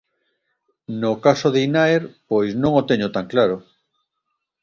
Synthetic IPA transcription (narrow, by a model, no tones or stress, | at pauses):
nokasoðeinaeɾpojznõŋot̪eɲot̪aŋklaɾo